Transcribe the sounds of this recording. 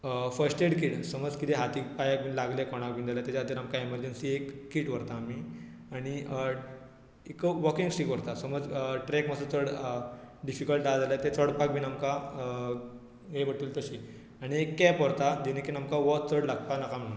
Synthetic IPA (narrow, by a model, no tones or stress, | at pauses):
fəsʈeɽkiʈsəməd͡zkit̪eɦat̪iːkpajak̚bʱiːnlaɡlekɔɽ̃ak̚bʱiːnd͡z̪alat̪at͡ɕaɦt̪̬iɾamkaiməɾd͡ʑensiekːiːʈʋəɾt̪aːmi | aɽ̃i | ekəʋəkĩŋɡsikʋəɾt̪asəməd͡zʈɾɛkməsət͡səɽ | ɖifikəlʈdad͡zalat̪et͡səɽpak̚bʱiːnamka | ɦeʋəɽt̪iːlt̪əɕi | aɽ̃iekːɛpəɾt̪ad̪inekinamkaʋɔt͡səɽlaɡ̚panakam̤ə